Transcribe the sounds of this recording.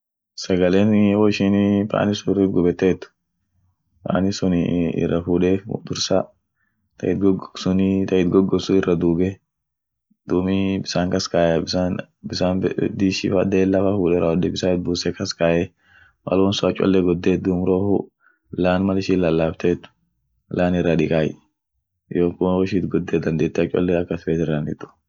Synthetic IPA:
sɐɡɐleːnɛwɔɪʃɪnpa̰ːnɪsʊriɡʊbɛt̪ːeːt̪ːʊ̥ | pa̰ːnɪsʊnɪɪ̰rːɐfuːᶑeːfd̪ʊɾsa | t̪ʰɐ̰ɪt̪̚ɡɔɡsʊnɪt̪ɐɪt̪̚ɡɔɡːɔsʊɪrːɐd̪uːɡɛ | d̪̥uːmɪbɪsaːŋkɐskaːjbɪan | bɪsaːnd̪iːʃɪ̰fɐd̪eːlːɐfɐfuːᶑɛrɐɔd̪ɛbɪsaɪt̪̚buːsɛkɐskaːʔɛ | wɐ̰lɔnsɔɐt͡ʃʼɔ̰lːɛɡɔd̪ːeːd̪uːmɾoːhʊ̰ | laːnmɐlɪʃɪlɐlːaːft̪eːt̪ːʊ̥ | laːnɪrːaᶑɪkʼaːj | joːkːʊwɔʃit̪ɡɔd̪ːeːd̪ɐnd̪eːt̪ːɛɐt͡ʃʼɔ̰lːɛɐkːɐsfeːt̪ɪrːɐnɪt̪ːʊ̥

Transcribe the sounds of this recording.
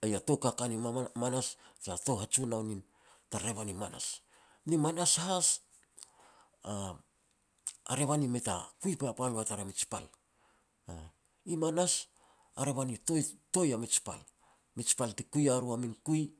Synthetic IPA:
ajato̞kakanimanast͡ʃato̞ɦat͡ʃunawnin | taɾe̞βanimana̰s | nimanasaɦas | a | a̰ɾe̞βanimeta̰kujpapalataɾamit͡ʃpa̰l | a | imanas | aɾe̞βanitoto̞jamit͡ʃpa̰l | mit͡ʃpaltikujaɾuaminkuj

